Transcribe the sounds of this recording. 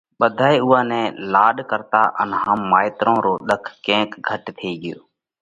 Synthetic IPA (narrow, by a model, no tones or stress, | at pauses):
ɓəd̪ʱaːeːʊːãːnɛ̃ːlaːɗkəɾt̪a̰ːʔə̰nɦəmːaːɪt̪ɾõːɾoːɗ̪əkʰːkẽːkɡʱəʈt̪ʰeːɠɪjoː